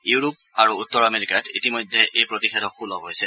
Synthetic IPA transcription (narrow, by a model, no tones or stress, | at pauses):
juɹup̚ | aɹuutːɔɹameɹikatitimɔjdʱɛʔejpɹotixʰɛdɔxulɔɦojsɛ